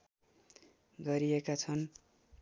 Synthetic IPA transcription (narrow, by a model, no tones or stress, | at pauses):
ɡʌɾiekat͡sʰʌn